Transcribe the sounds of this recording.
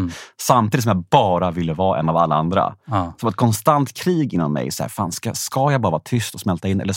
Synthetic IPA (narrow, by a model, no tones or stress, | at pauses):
samt̪ʰiːd̪sɔmjabɑːɾavɪlːəvɑːʔɛ̰nːavalːaand̪ɾa̰sɔmɛt̪̚kʰɔnst̪ant̪kʰɾiːɡɪnːɔ̰nmɛ̰jsɔhæ̰ɾfa̰ːnskaskajaɡbɑːɾavɑːt̪ʰʏst̪ɔsmɛlt̪aɪnːɛ̰lːəʂ